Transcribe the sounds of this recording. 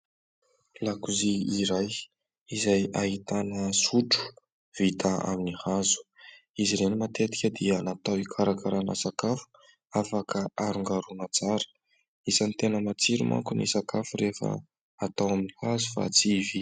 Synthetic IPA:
lakuziiɾaj | izajaɦit̪anəsuʈ͡ʂu̥ | v̥it̪aa̰minihazu̥ | iziɾenimat̪et̪i̥kʲəd̪ianat̪awikʰaɾakaɾana̰sakafu̥ | afakəaɾuŋɡaɾunat͡saɾə̥ | izant̪enəmat͡siɾṵmʔa̰ŋkunḭsakafuɾefə̰ | at̪awaminihazufa̰t͡sivi

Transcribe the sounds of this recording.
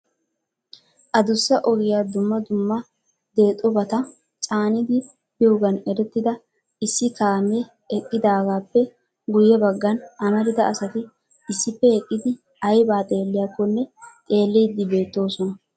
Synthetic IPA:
ʔɐd̪ʊsːɐʔɔɡɪjaːd̪ʊmːɐd̪ʊmːɐ | d̪e̞ːt̪ʼɔbɐt̪ɐ | t͡sʼaːnɪd̪ɪ | bɪɔɡɐnɛɾɛt̪ːɪd̪ɐ | ɪsːɪkaːme | ɛkʼːɪd̪aːɡaːpːɛ | ɡʊjːɛbɐɡːɐnɐmɐɾɪd̪ɐɐsɐt̪ɪ | ɪsːɪpːɛɛkʼːɪd̪ɪ | ɐjbaːt̪ʼe̞ːlːɪjakːɔnːɛt̪ʼe̞ːlːiːd̪ːɪbe̞ːt̪ːo̞ːsɔnɐ

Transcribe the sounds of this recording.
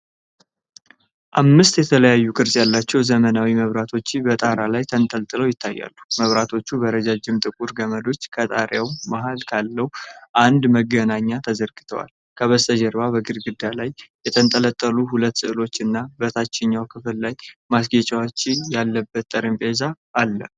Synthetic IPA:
ʔamːɨst̪jɛt̪ʰələjajːukʼɨɾsʼjalːat͡ʃːɛwzəmənawiməβɾat̪ʰo̞t͡ʃːɪbət̪ʼaɾalajt̪ʰənt̪ʼəlt̪ʼɨləwjɪt̪ʰːajːa̰lːuməβɾat̪ʰo̞t͡ʃːubəɾəd͡ʒad͡ʒːɪmt̪ʼɨkʼuɾɡəməd̪o̞t͡ʃːkʰət̪ʼaɾjawmaɦalkʰalːəhuʔand̪məɡənaɲːat̪ʰəzəɾɡɨt̪ʰəwa̰l | kʰəβəst̪ʰʼəd͡ʒɛɾβabəɡɨɾɡɨd̪ːalajjɛt̪ʰənt̪ʼələt̪ʼːəluɦulət̪ːsɨʔlo̞t͡ʃːɨnːabət̪ʰat͡ʃːɪɲːawkʰɨfɨllajmasɡet͡ʃʼawat͡ʃːɪjalːəbːət̪ːʼəɾɨmpʼezaː | lːə

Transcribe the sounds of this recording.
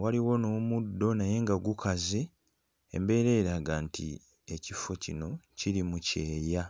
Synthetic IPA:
waliwo̞nomudːo̞naje̞ŋɡaɡukʰazḛː | mbe̞ːɾe̞ːɾaɡaːntʰḭ | e̞cifo̞cino̞ciɾimuce̞ːja

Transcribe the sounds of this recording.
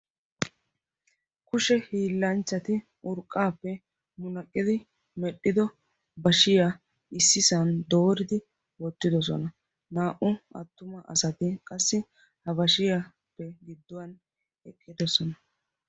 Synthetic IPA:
kʊʃɛhiːlːɐnt͡ʃːɐt̪ɪ | ʔʊɾkʼːaːpːɛ | mʊnɐkʼːɪd̪ɪ | mɛɗːɪd̪ɔ | bɐʃɪja | ɪsːɪsɐnd̪o̞ːɾɪd̪ɪ | wɔt̪ːɪd̪ɔs̬ɔ̰nɐ | naːʔʊɐ̰t̪ːʊmɐʔɐ̰sɐt̪ɪkʼɐsːɪ | hɐbɐʃɪja | pːɛɡɪd̪ːɔwɐn | ɛkʼːɪd̪ɔsɔnɐ

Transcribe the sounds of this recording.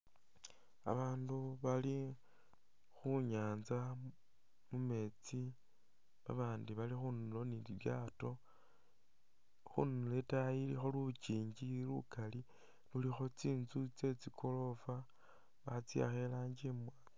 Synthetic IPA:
a̰βaːnduβali | xuɲaːnza | mume̞t͡si | βaβaːndiβalixunulo̞niliβjaːto̞ | xṵnuletajilixolut͡ʃiːɲɟilṵkʰali | lulixo̞t͡siːnzut͡se̞t͡sikʰo̞lo̞fa | βat͡sia̰xe̞laːɲd͡ʒimwa

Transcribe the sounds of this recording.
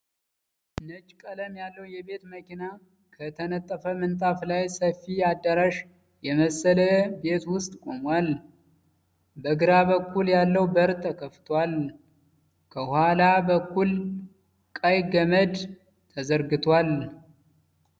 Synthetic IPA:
nət͡ʃʼkʼələmjalːəwjɛbe̞t̪məkina | kʰət̪ʰənət̪ʼːəfəmənt̪ʼaflajsəfijad̪ːəɾaʃ | jɛməsələbe̞t̪wʊst̪ʼkʼo̞mwal | bəɡɨɾaβəkʰːuljalːəwbəɾt̪ʰːəkʰəft̪ʰwal | kʰəhwalabəkːul | kʼajɡəməd̪ | t̪ʰəzəɾɡɨt̪ʰwal

